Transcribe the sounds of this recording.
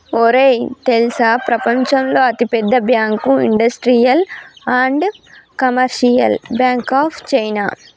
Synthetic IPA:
oːɾet̪elsaːpɾɐpɐɲt͡ʃɐmlo̞ːɐt̪ipɛd̪ːɐbjaːŋkuiɳɖɐsʈɾijɐlaːɳɖkɐmɐɾʃijɐ̰lbjaːŋkaːpʰt͡ʃɐjna̰ː

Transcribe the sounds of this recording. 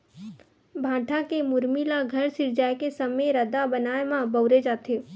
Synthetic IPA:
bʱãːʈʰakemʊɾmilaɡʱɐɾsɪɾd͡ʒaːjkesəmeɾəd̪abənaːemãbəʊɾed͡ʒaːt̪eː

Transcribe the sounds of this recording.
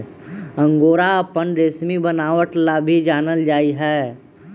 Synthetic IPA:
ə̃ŋɡoːɾapənɾesmibənaːʋəʈlabʱid͡ʒaːnəld͡ʒaːiɦɛː

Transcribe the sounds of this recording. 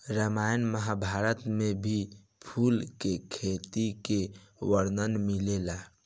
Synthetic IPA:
ɾəmajnməɦabʱaɾət̪mebʱi | pʰulkekʰet̪ikeʋəɾd̪ənmilela

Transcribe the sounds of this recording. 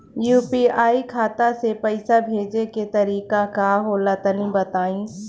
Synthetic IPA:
juːpiːaːikʰaːt̪asepɐɪsabʱeːd͡ʒeket̪ɐɾiːkakaɦoːlat̪ənĩbɐt̪aːĩː

